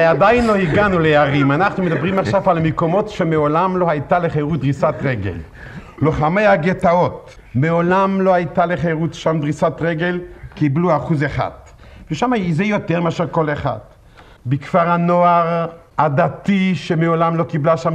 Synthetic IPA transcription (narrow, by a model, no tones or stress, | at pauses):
ead̪ajnlohiɡanulejaʁimanaχnumed̪abʁimaχʃavalmekomo̞tʃemeolamlo̞hajt̪aleχejʁud̪ʁisat̪ʁeɡḛl | loχamejaɡet̪ao̞t | meolamlohajt̪aleχejʁutʃamd̪ʁisatʁeɡelkibluaχuzeχa̰d̪ | veʃamazejot̪eʁmeaʃeʁko̞leχa̰d̪ | bikv̥aʁhanoaʁ | ad̪at̪iʃemeolamlo̞kiblaʃam